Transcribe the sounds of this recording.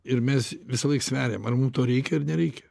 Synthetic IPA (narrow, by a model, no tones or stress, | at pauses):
ɪɾmʲɛsʋʲɪsɐlˠɐɪksʲʋʲæːɾʲejmɐrmumt̪oːɾʲɛɪkʲɛɐrnʲɛɾʲɛɪkʲɛ̥